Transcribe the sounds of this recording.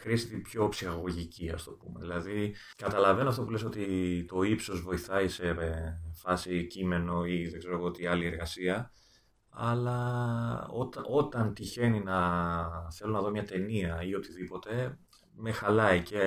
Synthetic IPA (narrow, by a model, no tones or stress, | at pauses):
xɾiɐst̪et̪ib̥ço̞psixɐɣo̞ʝiciɐ̰st̪o̞pumḛðilɐði | kɐt̪ɐlɐve̞noɐft̪opuleso̞t̪it̪o̞ipso̞zvo̞iθɐise̞fɐsicime̞no̞iðeɡze̞ɾo̞ɣoot̪iɐlie̞ɾɣɐsiɐ | ɐ̰lɐ | ot̪ɐo̞t̪ɐnt̪içe̞ninɐ | θe̞lo̞nɐðomɲɐt̪e̞niɐio̞t̪iðipo̞t̪e̞ | me̞xɐlɐice